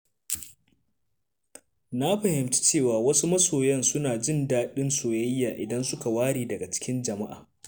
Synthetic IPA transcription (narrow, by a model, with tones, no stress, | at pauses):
na˦ɸɐ˨hɪ˨mt͡ʃi̥˦t͡ʃeː˦˨waː˨wɐ˦su˦mɐ˦soː˨jɛ˦nsʊ˦naː˨d͡ʒɪ˦ndaː˦ɗɪ˦nsoː˨jɐ˦jːaː˨ʔɪ˨dɐ˦nsʊ˦ka˨waː˦ɽiː˨dɐ˨ɡa˨t͡ʃɪ̥˦kʲɪ˦nd͡ʒɐ˨ma˦ʔa̰ː˨